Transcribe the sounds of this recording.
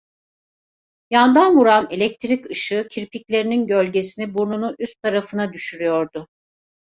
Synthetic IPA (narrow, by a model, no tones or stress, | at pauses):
jand̪anvuɾanelʲɛc̚t̪ʰɾicɯʃɯcʰiɾpʰiclʲe̞ɾininɟølʲɟe̞sinibuɾnunuʔyst̪ʰːaɾafɯnad̪yʃyɾyjo̞ɾd̪ʊ